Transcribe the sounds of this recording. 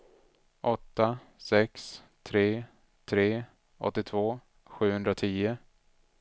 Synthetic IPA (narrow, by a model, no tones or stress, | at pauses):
ʔɔt̪ːa | sɛks | t̪ʰɾeː | t̪ʰɾeː | ʔɔ̰t̪ːɪt̪ʰvoː | ɧʉ̟ːhɵnd̪ɾat̪ʰiːʊ